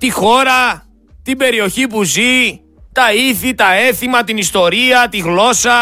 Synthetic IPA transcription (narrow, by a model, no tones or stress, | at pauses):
t̪ixo̞ɾɐ | t̪ibe̞ɾio̞çipuzi | t̪ɐiθit̪ɐe̞θimɐt̪inist̪o̞ɾiɐt̪iɣlo̞sɐ